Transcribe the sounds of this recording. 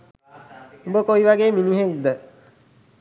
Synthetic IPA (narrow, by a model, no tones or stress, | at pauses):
umbəkoiʋaɡeːminiɦek̚d̪ə